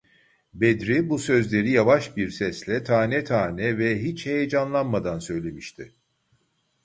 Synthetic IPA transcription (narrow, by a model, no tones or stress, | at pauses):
bed̪ɾibusø̞zlʲe̞ɾijavaʃbiɾsɛslʲɛt̪ʰaːnɛt̪ʰaːnɛvɛɦit͡ʃhejed͡ʒanlˠanmad̪ansø̞jlʲe̞miʃt̪ʰɪ